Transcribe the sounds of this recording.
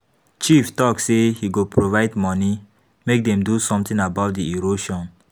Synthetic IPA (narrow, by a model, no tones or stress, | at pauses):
t͡ʃiftɔksehiɡopɹovaɪdmɔni | mek̚dɛ̃mdusɔ̃mtĩŋabaʊt̚diiɹoʃɔ̃n